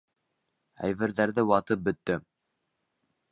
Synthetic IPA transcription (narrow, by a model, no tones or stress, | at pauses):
æ̰jvɘ̆ɾðæɾðɘwɑt̪ɤp̚bɵ̆t̪ːɘ